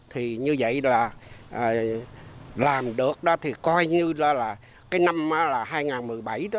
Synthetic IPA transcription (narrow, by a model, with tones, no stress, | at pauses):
t̪ʰi˨˩ɲɨ˧və̰˧˨jlaː˨˩ʔəː˨˩ | laː˨˩mɗɨ˨˩ək̚ɗɔ˨˦t̪ʰi˨˩kɔ˧jɲɨ˧lɔ˨˦laː˨˩ | kaː˨˦jna˧mʔaː˨˦laː˨˩ɦaː˧jŋaː˨˩nmɨ˨˩əjɓa˧˩jɗɔ˨˦